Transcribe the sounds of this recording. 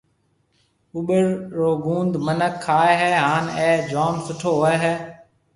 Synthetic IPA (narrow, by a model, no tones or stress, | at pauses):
ʊɓəɾːoːɡũːnd̪mənəkʰːaːeːɦɛːɦaːneːd͡ʒoːnsʊʈʰoːɦoːeːɦɛː